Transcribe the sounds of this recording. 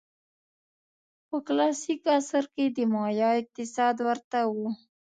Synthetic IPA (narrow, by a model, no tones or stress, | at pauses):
pəklɑsikasəɾked̪əmɑjɑɪk̚t̪ɪsɑd̪wəɾt̪awu